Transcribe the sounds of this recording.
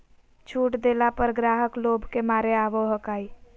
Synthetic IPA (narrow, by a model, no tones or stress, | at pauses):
t͡ʃʰuːʈd̪eːlapəɾɡɾaːɦəkloːbʱkemaːɾeaːʋoɦəkaːi